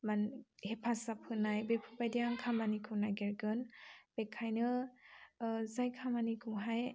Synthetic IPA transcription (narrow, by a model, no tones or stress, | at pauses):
manhepʰasap̚hɯnajbepʰɯbajdijaŋkʰamanikʰɯwnajɡeɾɡɯnb̥ekʰːajnɯ | zajkʰamanikʰɯɦaj